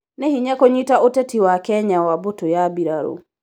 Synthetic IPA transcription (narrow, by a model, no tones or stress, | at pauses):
nehiɲakoɲitaotɛtiwakɛɲawabotojabiɾaɾo̰